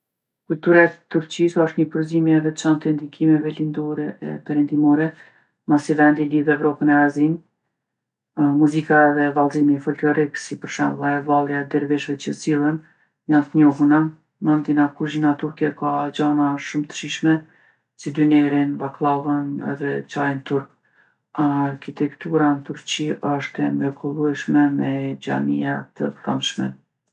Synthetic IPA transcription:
kult̪uɾaɛt̪uɾt͡ɕisɔʃt̪ɲəpəɾzimiɛðɛt͡ʃant̪ɛnd̪ikʰimɛvɛlind̪ɔɾɛɛ̰pɛɾɛnd̪imɔɾɛ | masivɛnd̪iliθɛvɾɔpənɛazin | muzikaɛðɛvalˠzimifɔlklɔɾiksipəɾʃɛ̰mlˠaɛvalˠjad̪ɛɾvɛʃvɛt͡ɕəsilˠən | ɲat̪ɲɔɦuna | mand̪inakuʒinat̪uɾkɛkad͡ʑanaʃumt̪ə̥ʃiʃmɛ | sid̪ynɛɾinvaklˠavənɛ̰ðɛt͡ɕajnt̪uɾk̚ | aɾkit̪ɛkt̪uɾant̪uɾt͡ɕiɔʃt̪ɛnvɛkʰɔlˠuɛʃmɛmɛd͡ʑa̰nijat̪əkamʃmɛ̰

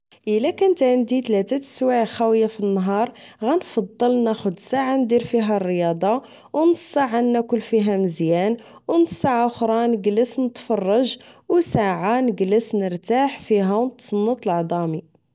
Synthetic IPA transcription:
ʔəlːækʊnt̪ʕənd̪it̪læt̪æswaʕxæwəjːafinːɦɑɾˤɣænfɑd̪ˤːəlnæxʊd̪saʕand̪iɾfiɦærːəjɑd̪ˤɑ | wnəsˤːɑʕanːækʊlːfiɦæməzjæn | wnəsˤːaʕaʊxɾˤɑnəɡləsnət̪fɑrˤːɑʒwsaʕanəɡləsnəɾt̪aħfiɦæwnət̪sˤɑnːət̪ˤəlʕd̪ˤɑmi

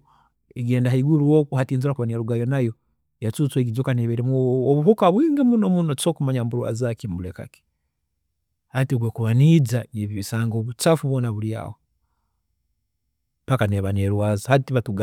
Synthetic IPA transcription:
eɡeːndaɦaiɡuɾuwokuhatiːnzuɾakuβanieɾuɡajo̞najo̞ | jat͡sut͡sweɡid͡ʒokaneβeɾemoβuɦukaβwiːŋɡemunomuno̥t͡ʃoːkumaɲambuɾwa̰zakimbuleka̰ke̥ | hatioɡwekuβanizaŋeβiβisaːŋɡoβut͡ʃafuβwoːnaβuɾja̰ːho | pakaneβaneɾwaːzihatiβatuɡa

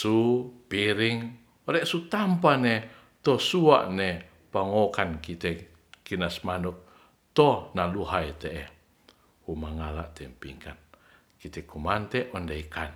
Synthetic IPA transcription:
supiɾiŋ | ɔɾɛʔsut̪ampane | t̪ɔsua̰ʔne | paŋokankit̪ɛ | kinasmanɔk̚ | t̪ɔnaluɦait̪eʔɛ | humaŋala̰ʔt̪ɛmpiŋkan | kit̪ɛkʰumant̪eʔɔndeikan

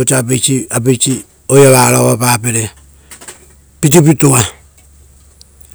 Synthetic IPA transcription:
ot͡ʃapet͡ʃiapet͡ʃi | ojaβaɾaβapapeɾe | pitipitua

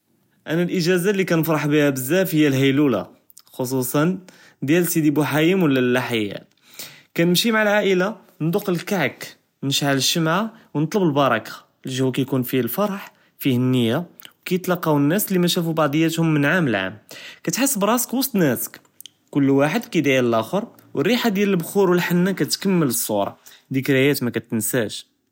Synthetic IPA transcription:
ʔænælʔəʒæzalːikænəfɾˤɑħbihæbəzːæfhəjːælɦæjlula̰ | xos̬ˤusˤɑn | d̪jælsid̪ibuħajimwəlːælːaħajːæ̰ | kænəmʃimaʕəlʕaʔəla | nd̪uqːəlkaʕk | nəʃʕaləʃːəmʕawnət̪ˤləbəlbɑɾˤɑkḁ | lʒhwkæjkunfilfɑɾˤɑħ | fihənːəjːawkæjət̪lɑqːɑwənːæslimæʃæfubɑʕd̪ˤəjːæt̪hʊmːənʕaməlʕa̰mkæt̪ħəsːəbɾˤɑsə̥kwɑsˤt̪ˤnæsə̥k | kʊlːwaħəd̪kæd̪ʕjæləlʔæxəɾˤ | wərːiħad̪jæləlbxuɾwəlħanːækæt̪kəmːələsˤːṵɾˤɑ̰d̪ikɾæjæt̪mækæt̪ənsæʒ

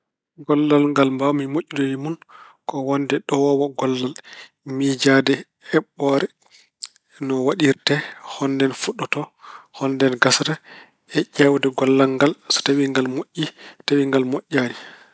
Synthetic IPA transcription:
ɡɔlːalŋɡalmbamimoʔːidɔwimunkɔwɔndɛɗɔwɔwɔɡɔlːal | mid͡ʒadɛ | ɛɓːɔɾɛ | nɔwaɗiɾtɛhɔndɛnfuɗɔtɔhɔndɛnɡasɾa | ɛʔɛwdɛɡɔlːalŋɡalsɔ̥tawiŋɡalmoʔːitawiŋɡalmoʔːani

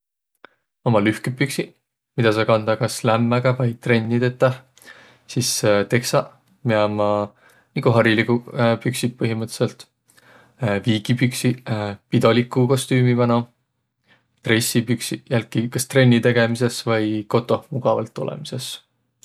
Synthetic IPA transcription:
o̞mɑlyhkepːyksi | mid̪̥ɑsɑkɑnd̪̥ɑkɑslæmːæɡ̥ɑvɑjt̪re̞nʲːit̪e̞t̪ːˑɑ | sist̪e̞ksɑ | meɑmɑ | nikuɦɑɾilikupyksipɤɦimɤt̪se̞lt̪ | viːɡ̥ipyksipid̪o̞likːˑuko̞st̪yːmivɑno | t̪re̞sːipyksijælkːikɑst̪re̞nʲːit̪e̞ɡ̥e̞mise̞svɤjko̞t̪ːˑo̞muɡ̥ɑvɑ̰lt̪ːˑo̞lḛmise̞s

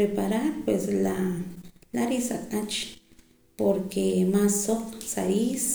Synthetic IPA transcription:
ɾepaɾaɾpwesla | laɾisat̪ʼat͡ʃ | poɾkemasːoqsais

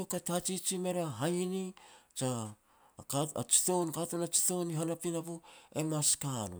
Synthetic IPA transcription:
okatat͡ʃit͡ʃime̞ɾaɦajnit͡ʃa | kaa̰t͡ʃi̥to̞nkatonat͡ʃi̥to̞niɦanapinapue̞maskanṵ

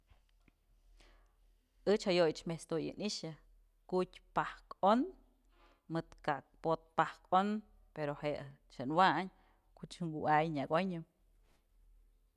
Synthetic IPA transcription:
ɨt͡ʃhajojt͡ʃmest̪ojɨ̰niʃɨ | kutʲpahkon | mɨt̪kak̚pot̪̚pahkon | peɾoheʔt͡ʃɨnwaɲ | kut͡ʃŋɡuajɲaɡoɲɨm

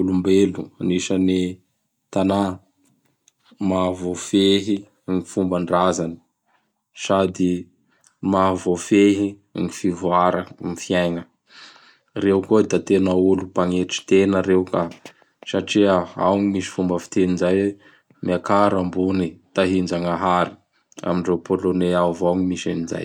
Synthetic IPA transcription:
ulumbeluaniʃəni | t̪ana | mavofeɦi | ŋifumbəɳɖ͡ʐazani̥ | sad̪i | mavofeɦi | ŋifivuaɾəmifiajŋə | rewkod̪at̪enəulupaŋeʈ͡ʂi̥t̪enəɾewka | saʈ͡ʂiaa̰wŋimisi̥fumbəfi̥t̪eninzaj | miakaɾambunit̪aɦind͡ʒaŋaɦaɾi̥ | a̰miɳɖ͡ʐewpoloneavawŋimiʃaniza̰j

